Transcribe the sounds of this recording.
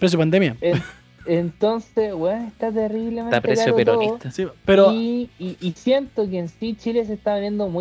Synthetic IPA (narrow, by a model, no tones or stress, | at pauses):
pɾesjopand̪emjaen | ent̪onsesweest̪at̪̬eriβlemenap̪eeksaoetooit̪asipeɾoiʔisje̞nt̪ok̬eːnsit͡ʃiles̬eht̪aenje̞nd̪omu